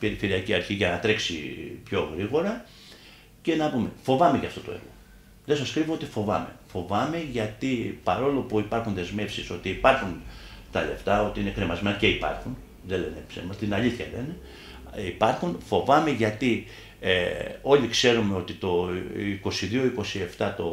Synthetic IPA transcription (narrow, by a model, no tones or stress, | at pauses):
peɾife̞ɾiɐciɐɾçiʝɐnɐt̪ɾe̞ksḭpço̞ɣɾiɣo̞ɾɐ | ce̞nɐpume̞fo̞vɐme̞ʝɐft̪o̞t̪o̞̰e̞̰ɾɣo̞̰ | ðesɐskɾivoo̞t̪ifo̞vɐ̰me̞̰fo̞vɐme̞ʝɐt̪ipɐɾo̞lopuipɐɾxunðe̞zme̞fsiso̞t̪iːpɐɾxunt̪ɐle̞̰ft̪ɐot̪iine̞kɾemɐzmenɐce̞ipɐ̰ɾxun | ðele̞nepsḛmɐst̪inɐliθçɐle̞̰ne̞ | ipɐɾxunfo̞vɐme̞ʝɐt̪i | eo̞likse̞ɾumeo̞t̪it̪o̞iko̞siðio̞iko̞sie̞ft̪ɐt̪o̞